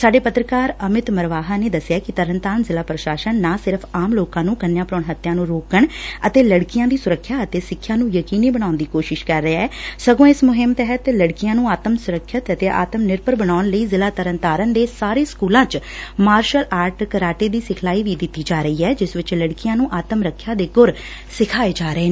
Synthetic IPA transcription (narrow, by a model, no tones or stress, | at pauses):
saːɖeːpət̪ɾəkaːɾəmɪt̪məɾʋaːɦaːneːd̪əsɪjaːkɪt̪əɾənt̪aːɾənzɪlaːpɾəʃaːʃənːãːsɪɾpʰaːmloːkãːnũːkənjãːpɾoːɳɦət̪ːjãːnũːɾoːkəɳət̪eːləɽkɪjãːd̪iːsʊɾəkʰːjaːət̪eːsɪkʰːjãːnũːjəkiːniːbəɽ̃naːʊnd̪iːkoːʃɪʃkəɾːeaːɛːsəɡõːɪsmʊɦɪmt̪ɛɦət̪ləɽkɪjãːnũːaːt̪əmsʊɾəkʰːjət̪ət̪eːʔa̰ːt̪əmnɪɾpəɾbənaːʊnləiːzɪlaːt̪əɾənt̪aːɾənd̪eːsaːɾeːskuːlãːt͡ʃmaːɾʃəlʔaːɾʈkəɾaːʈeːd̪iːsɪkʰlaːiːʋiːd̪ɪt̪ːiːd͡ʒaːɾəiːɛːd͡ʒɪsʋɪt͡ʃləɽkɪjãːnũːʔaːt̪əmɾəkʰːjaːd̪eːɡʊɾ | sɪkʰaːeːd͡ʒaːɾəeː